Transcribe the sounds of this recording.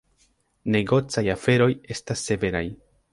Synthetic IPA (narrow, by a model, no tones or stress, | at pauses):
ne̞ɡo̞t͡sajafe̞ɾo̞je̞stasːe̞ve̞ɾaj